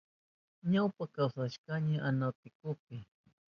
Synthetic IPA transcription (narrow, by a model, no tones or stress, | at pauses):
ɲawpakawsaʃkaɲaʔanat̪ɪkʊpɪ